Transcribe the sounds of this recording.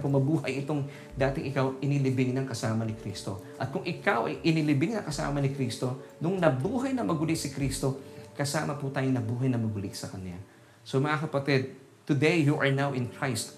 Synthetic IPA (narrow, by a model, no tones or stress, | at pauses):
pʊmɐbuːhɐjɪt̪oŋ | d̪aːt̪ɪŋʔɪkawʔɪnɪlɪbɪŋnɐŋkɐsaːmɐnɪkɾiːst̪o̞ | ʔɐt̪̚kʊŋʔɪkɐwʔɐjʔɪnɪlɪbɪŋnɐŋkɐsa̰ːmɐnɪkɾiːst̪onʊŋnɐbuːɦɐjnɐmɐɡʊlɪksɪkɾiːst̪o̞kɐsaːmɐput̪aːjonɐbuːɦɐjnɐmɐɡʊlɪksɐkɐnla̰ | somɐʔakɐpɐt̪ɛd̪̚ | t̪ʊd̪ɛjːuʔɐɹnawɪ̃nkɹajst̪